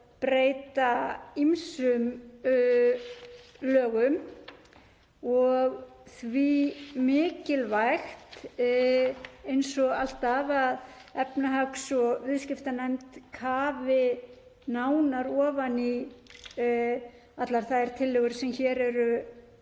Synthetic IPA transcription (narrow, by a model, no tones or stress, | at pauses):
pɾeːjt̪aimsʏm | lœːɣʏm | ɔɣθvimɪːcɪlvajxt̪ | ejnsɔɣal̥t̪avað | ɛpnaɦaksɔvɪðscɪft̪anɛmt̪kʰaːvɪ | naːwnaɾɔːvani | at̪laɾ̥θaðɛɾ̥t̪ʰɪlːʏɣʏɾsɛmçɛːɾɛɾʏ